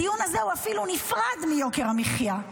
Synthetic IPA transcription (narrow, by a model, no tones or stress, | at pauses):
ijunazeuafilunifʁad̪mijo̞keʁamiχja